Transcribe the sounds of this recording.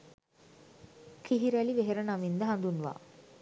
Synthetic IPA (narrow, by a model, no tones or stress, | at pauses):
kiɦiɾæliʋeɦeɾənamind̪əɦand̪unʋa̰ː